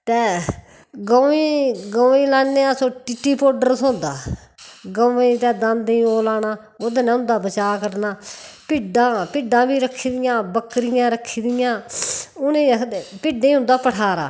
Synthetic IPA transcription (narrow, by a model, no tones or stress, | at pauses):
t̪eː | ɡoːĩːɡoːĩːlaːneːaːsõːʈiːʈːiːpoːɖəɾsõːnd̪aː | ɡoːĩːt̪ɛːd̪ãnd̪ĩːoːlaːnaː | oːd̪nɛ̃ːʊ̃nd̪aːbət͡ʃaːkəɾnaːpɪɖãːpɪɖãːbiːɾəkʰːiːd̪ɪjãːbəkɾɪjãːɾəkʰːiːd̪ɪjãːʊnẽːpɪɖẽːɦʊ̃nd̪aːpəʈʰaːɾaː